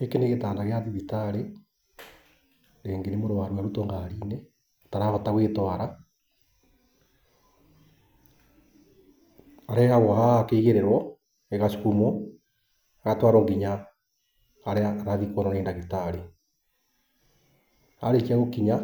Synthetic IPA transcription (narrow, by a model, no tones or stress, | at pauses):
ekeneɣetaːnaɣeaðiðitaɾe | ɾeːŋɡenemoɾowaɾwaɾutoŋɡaɾiːne | taɾaɣɔtaɣweːtwaɾa | aɾɛhaɣɔhaakeiɣeɾeɾwɔ | eɣasu̥kumɔ | aɣatwaːɾoŋɡiɲa | ɾeaːɾaðikonaneːndaɣitaɾe | a̰ɾet͡ʃiaɣokiɲa